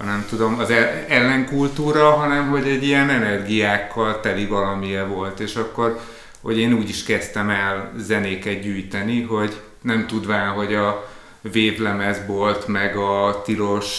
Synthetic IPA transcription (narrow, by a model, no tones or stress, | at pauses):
nɛmt̪ud̪o̞mɒzɛɛlːɛŋkult̪uːɾɒɦɒnɛmɦo̞ɟɛɟːijɛnɛnɛrɡijaːkːɒlt̪ɛlivɒlɒmijɛvo̞lt̪eːʃɒkːo̞r | ho̞̰ɟeːnuːɟiʃkɛst̪ɛmɛlzɛneːkɛt̪̚ɟyːjt̪ɛniɦo̞ɟ | nɛmt̪ud̪ʋaːɦo̞ɟɒ | veːp̪lɛmɛzbo̞lt̪mɛɡɒt̪ilo̞ʃ